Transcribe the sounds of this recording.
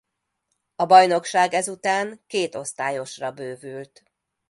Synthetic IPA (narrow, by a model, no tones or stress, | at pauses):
ɒbɒjno̞kʃaːɡɛzut̪aːŋkeːt̪o̞st̪aːjo̞ʃrɒbøːvylt̪